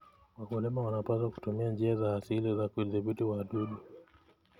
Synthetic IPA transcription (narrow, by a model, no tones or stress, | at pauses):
wakulɛmawanapazwaku̥tumiand͡ʒiazaːsilizakuðibitiwaːɗuɗu